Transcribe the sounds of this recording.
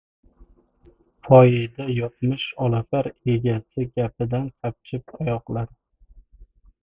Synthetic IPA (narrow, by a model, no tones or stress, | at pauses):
fʰɒjɪd̪ajɒt̪̚mɪʃɒlˠafaɾe̞ɡʲasɪɡʲapʰɪd̪ansap̚t͡ʃʰɪp̚ʰajɒqlˠaɾ